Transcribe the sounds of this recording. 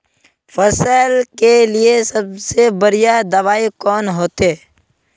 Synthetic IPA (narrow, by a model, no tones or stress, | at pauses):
fʰəsəːlkelɪesəb̚sebəɾɪjad̪əʋaːikɔːnɦoːt̪eː